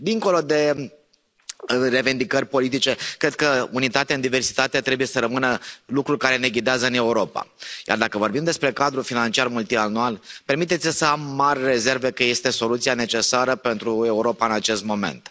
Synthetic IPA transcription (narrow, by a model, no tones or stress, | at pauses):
d̪iŋko̞lo̞d̪e̞ | əre̞vind̪ikərʲpo̞lit̪̬it͡ʃe̞kɾe̞d̪̚kəunit̪at̪eaɨnd̪ive̞rsi̥t̪at̪eat̪ɾe̞bujesəɾəmɨnəlukɾulʲkaɾe̞ne̞ɡlid̪eazəɨne̞uɾo̞pa̰ja̰rd̪akəvo̞rbimd̪e̞spɾe̞kad̪ɾufinant͡ʃiarmult̪ianualpe̞rmit̪et̪sʲsəamːarʲre̞ze̞rve̞kəje̞st̪e̞so̞lut̪sijane̞t͡ʃe̞saɾəpe̞nt̪ɾue̞uɾo̞paɨnat͡ʃe̞st̪mo̞me̞̰nt̪